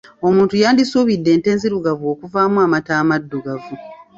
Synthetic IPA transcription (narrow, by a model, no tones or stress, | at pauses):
o̞muːntujaːndisuβidːe̞ːnte̞ːnziɾuɡavoːkuvaːmuamataːmadːuɡavu